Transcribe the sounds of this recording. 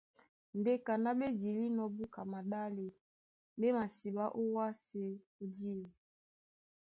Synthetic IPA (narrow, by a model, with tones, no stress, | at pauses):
n˨de˦ka˨na˦be˦di˨li˦nɔ˦bu˦ka˨ma˨ɗa˦le˨ | be˦ma˨si˨ba˦ʔo˦wa˦se˦ | o˦di˦li˨